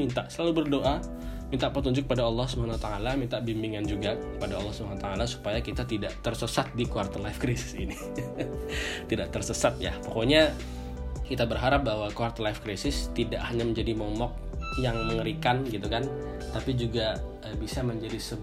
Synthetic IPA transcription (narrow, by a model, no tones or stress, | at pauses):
int̪aʔsəlalubərdoʔa | mint̪aʔpərt̪uɲd͡ʒʊk̚əpadaɑlːɔhsəbaanwat̪aalamint̪aʔbimbiŋand͡ʒuɡakə̥padaɑlːɔhsəbanut̪aalasu̥pajakit̪at̪idaʔt̪ərsəsat̪̚dikuart̪əlafkɾisɪ̥sini | t̪idaʔt̪ərsəsat̪̚ja̰pokoɲa | kit̪abərɦaɾap̚bahwakuart̪əlajfkəɾisɪst̪idaʔhaɲaməɲd͡ʒadimɔmɔk̚ | jaŋməŋəɾikanɡit̪ukan | t̪apid͡ʒuɡa | əbisaməɲd͡ʒadisə